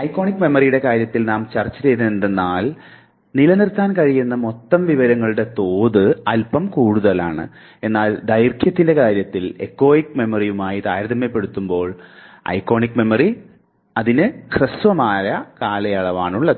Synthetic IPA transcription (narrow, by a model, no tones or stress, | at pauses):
ɐjkːo̞ːɳikːme̞mɐrijuɽe̞kaːɾjɐt̪ːilnaːmt͡ɕɐrt͡ɕːɐt͡ɕejt̪nend̪enːaːl | nilɐnirt̪ːaːnkɐɻijunːɐmo̞t̪ːɐmʋiʋɐɾɐŋːɐɭɨɽe̞t̪o̞ːðɨɐlpɐmkuːɽuðɐlaːɳɨ̰ | e̞nːaːld̪ɐjrkʰjɐt̪ːinde̞kaːɾjɐt̪ːile̞̰kːo̞ːjikːme̞mɐrijumaːjit̪aːjɾɐðʱɐmːɐpːe̞ɽut̪ːumbo̞ːɭ | ɐ̰jkːo̞ːɳikːme̞mɐri | ɐðinɨkrɨsʋɐmaːjɐkaːlɐjɐɭɐʋaːɳuɭːɐ